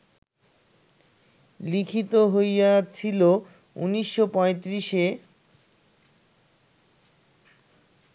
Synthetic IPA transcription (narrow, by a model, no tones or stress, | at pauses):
likʰit̪oɦojat͡ɕʰilo | ṵniʃːopɔ̃et̪ɾiʃe